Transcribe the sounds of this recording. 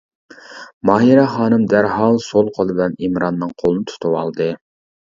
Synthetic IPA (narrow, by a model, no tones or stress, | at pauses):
mɑːjiɾɛχɑːnɨmd̪æɾɦɑlˠsolˠqʰolˠɨbɪlɛnimɾɑnːɨŋqʰolˠnɨt̪ʰu̥t̪ʰuwɑlˠd̪ɨ